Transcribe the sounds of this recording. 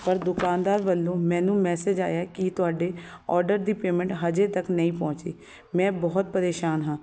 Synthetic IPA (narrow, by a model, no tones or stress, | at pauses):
pəɾd̪ʊkaːnd̪aːɾʋəlːõːmɛ̃ːnũːmɛːsed͡ʒa̰ːjakit̪ʊaːɖeː | ɔːɾɖəɾd̪iːpeːmɛ̃ɳʈɦəd͡ʒeːt̪əknəĩːpɔ̃ːt͡ʃḭː | mɛ̃ːbɔːt̪̚pəɾeːʃaːnɦãː